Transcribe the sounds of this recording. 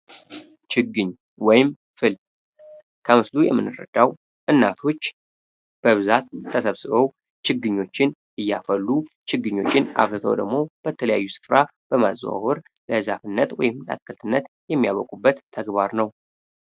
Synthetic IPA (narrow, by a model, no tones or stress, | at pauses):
t͡ʃʰɨɡɨɲː | wɔjɪm | fɨl | kʰəmɨslujɛmːɨnːɨɾːə̰d̪̥aw | ʔɨnːat̪ʰo̞t͡ʃː | b̥əβɨzat̪ʰːəsəβsɨβəw | t͡ʃʰɪɡːɨɲːo̞t͡ʃːɪn | ɨjːafəlːu | t͡ʃʰɨɡɨɲːo̞t͡ʃːɪnʔa̰βɾɨt̪ʰə̰wd̪ə̰ɡmo̞b̥ət̪ʰələja̰jːusɨ̥fɾa | b̥əmaz̰wa̰hɔɾ | ləhɨzafɨnːət̪wɔ̰jɪmləa̰skʰəlt̪ʰɨnːət̪ | jɛmːijaβəkʼubːət̪ʰːəɡbaɾnəw